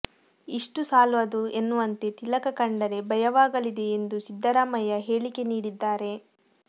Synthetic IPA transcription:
iʂʈusaːlʋɐd̪ue̞nːuʋɐnt̪e̞t̪ilɐkɐkɐɳɖɐɾe̞bʱɐjɐʋaːɡɐlid̪e̞ːnd̪usid̪ːɐɾaːmɐjɐɦe̞ːɭike̞niːɽid̪ːaːɾe̞

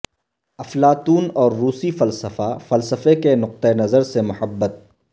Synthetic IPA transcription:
ɐflaːt̪uːnɔːɾːuːsifɐlsəfafɐlsəfekenʊq̚t̪enɐzəɾsemʊhəbːət̪̚

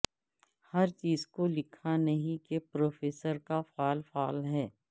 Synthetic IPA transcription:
hɐɾt͡ʃiːzkolɪkʰanɐɦĩkepɾoːfeːsəɾkafaːlfaːlɦɛː

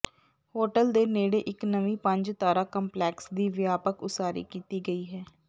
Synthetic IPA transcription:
hoːʈəld̪eːneːɽeːʔɪknəʋĩːpəɲd͡ʒt̪aːɾaːkəmplɛːksd̪iːʋjaːpəkʊsaːɾḭːkiːt̪iːɡəiːɦɛː

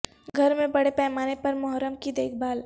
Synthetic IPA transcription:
ɡʱɐɾmẽbɐɽepɛːmaːnepɐɾmʊɦɾəmkid̪eːkʰbaːl

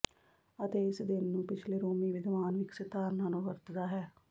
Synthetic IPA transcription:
ət̪eːɪsd̪ɪnːũːpɪt͡ʃʰleːɾoːmiːʋɪd̪ʋaːnʋɪksɪt̪aːɾnãːnũːʋəɾt̪d̪aːɦɛː

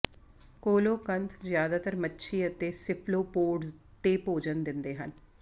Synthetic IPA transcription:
koːloːkənt̪ʰzjaːd̪aːt̪əɾmətːʃʰiːət̪eːsɪpʰloːpoːɖz | t̪eːpoːd͡ʒənd̪ɪnd̪eːɦə̰n

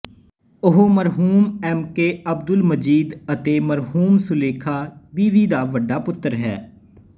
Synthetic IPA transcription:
ʊɦoməɾɦuːmɛːmkeːəb̚d̪ʊlməd͡ʒiːd̪ət̪eːməɾɦuːmsʊleːkʰaːbiːʋiːd̪aːʋəɖːaːpʊt̪ːəɾɦɛː

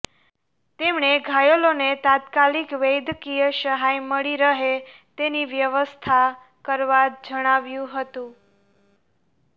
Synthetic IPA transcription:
t̪emɳeɡʱajolonet̪at̪kalikʋejd̪kijəʃəɦajməɭiɾəɦe | t̪eniʋjəʋəst̪ʰa | kəɾʋad͡ʒəɽ̃aʋjũɦət̪ũ

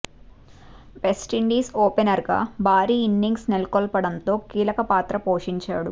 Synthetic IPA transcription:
ʋesʈiɳɖiːsoːpenɐɾɡa̰ːbʱaːɾiːinːiŋɡsnilkɔlpɐɽɐnt̪o̞ːkiːlɐkɐpaːt̪ɾɐpo̞ːʂiɲt͡ʃa̰ːɽu

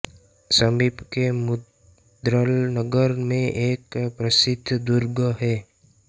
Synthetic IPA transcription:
səmiːbkemʊ | d̪ɾəlnəɡəɾmẽʔeːkpɾəsɪd̪ʱd̪ʊɾɡəɦɛː

